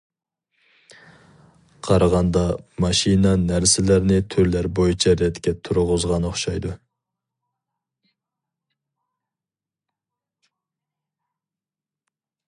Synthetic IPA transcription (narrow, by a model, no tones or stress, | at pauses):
qʰɑɾɑʁɑnd̪ɑmɑʃinɑnæɾsɪlæɾnɪt̪ʰøɾlæɾbojut͡ʃʰɑɾɛt̪kʲɛt̪ʰʊɾʁʊzʁɑnɨχʃɑjd̪u